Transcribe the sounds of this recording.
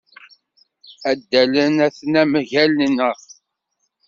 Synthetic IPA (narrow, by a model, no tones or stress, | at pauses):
æd̪ːælənæθnæmʝælnəʁ